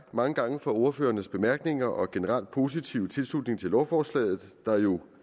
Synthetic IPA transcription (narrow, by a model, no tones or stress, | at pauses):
mɑ̈ŋəɡ̥ɑ̈ŋəfɒo̝ɐfø̰ːɐnəsb̥e̝mæɐɡ̥ne̝ŋɐʔɒ̽ɡ̥e̝nəʁɑ̈l̰d̥̚pʰo̝s̬it͡sʰiʊət͡sʰe̝lslud̥ne̝ŋt͡sʰe̝lɒʊfɒːslɛ̰ːð̞̩ˠd̥ɑ̈jo̝